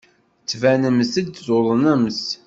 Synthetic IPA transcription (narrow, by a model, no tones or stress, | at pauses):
t͡sːvænəmsəd̚d̪zolənæms